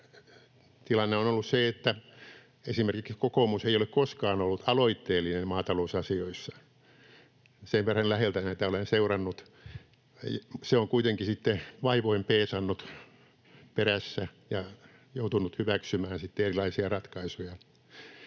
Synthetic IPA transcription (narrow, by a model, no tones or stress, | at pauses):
t̪ilɑnːeonolːusseet̪ːæ | esimerkikskokomuseijolekkoskɑːnolːut̪ʰɑloit̪ːeːlːinemmɑːt̪ɑlousɑsioisːɑ̥ | seʋʋerːɑnlæhelt̪ænæet̪æolenseurɑnːut̪ | seoŋkuit̪eŋkisit̪ːeʋɑiʋoimpeːsɑnːut̪ | peræsːæjɑ | jout̪unut̪hyʋæksymæːnsit̪ːeerilɑisiɑrɑt̪kɑisujɑ